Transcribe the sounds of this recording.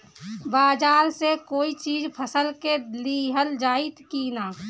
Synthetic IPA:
baːd͡ʒaːɾsekoːit͡ʃiːd͡ʒpʰəsəlkeliːɦəld͡ʒaːit̪kinaː

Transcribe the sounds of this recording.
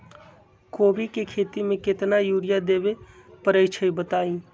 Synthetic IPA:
koːbikekʰeːt̪imẽkɪt̪najuːɾɪjad̪eːʋe | pəɾəɪt͡ʃʰəibət̪aːĩː

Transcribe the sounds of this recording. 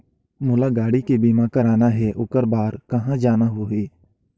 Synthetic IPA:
mʊlaɡaːɽikebiːmakɐɾaːnaɦɛʔʊkəɾbaːɾkɐɦãd͡ʒaːnaɦoɦeː

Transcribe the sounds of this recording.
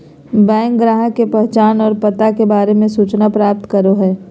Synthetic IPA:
bɛ̃ːŋkɡɾaːɦəkepɛɦt͡ʃaːnɔːɾpɐt̪akebaːɾemẽsuːt͡ʃnapɾaːp̚t̪kɐɾoɦɛː

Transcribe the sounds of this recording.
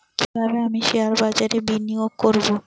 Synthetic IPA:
kibʱabeamiʃiaɾbad͡ʑaɾebinioɡ̚koɾbo

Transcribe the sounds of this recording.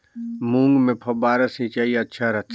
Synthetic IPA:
mũːŋɡmẽpʰɐbaːɾəsĩt͡ʃaːiɐtːʃʰaɾɐt̪

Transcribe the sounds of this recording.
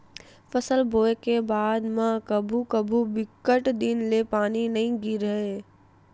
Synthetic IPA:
fɐsəlbʱoːekebaːd̪mãkɐbʱukɐbʱubɪkːəʈd̪ɪnlepaːninɐɦĩɡiɾɐɦeː

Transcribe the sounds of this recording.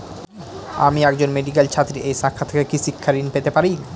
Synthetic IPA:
a̰miɛkd͡ʑonmeɖik̬elt͡ɕʰat̪ːɾiʔejʃakʰːat̪ʰekekiʃikʰːaɾinpet̪epaɾi

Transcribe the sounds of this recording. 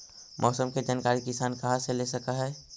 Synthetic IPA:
mʔɔːsəmked͡ʒaːnkaːɾikɪsaːnkɐɦãselesɐkaɦɛː

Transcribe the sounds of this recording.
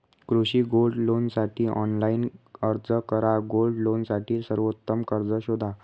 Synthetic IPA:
kɾuɕiːɡolɖlonsaʈʰiːʔɔ̰nlainəɾd͡zəkəɾaɡolɖlonsaʈʰiːlsəɾʋot̪ːəmkəɾd͡zəɕod̪ʱa

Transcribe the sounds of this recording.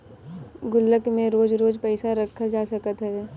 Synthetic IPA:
ɡʊlːəkmẽɾoːd͡ʒɾoːd͡ʒpɛɪsaɾɐkʰːad͡ʒaːsɐkət̪ɦɛː

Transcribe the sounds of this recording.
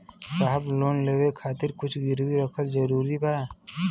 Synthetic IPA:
saːɦbloːnleːwekʰaːt̪ɪɾkʊt͡ʃʰɡɪɾwiɾəkʰəlzəɾuːɾibaː

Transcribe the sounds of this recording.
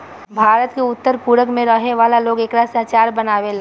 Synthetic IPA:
bʱaːɾət̪keʊt̪ːəɾpuːɾəkmẽɾəɦeʋaːlaloːɡeːkɾasãt͡ʃaːɾbənaːʋela

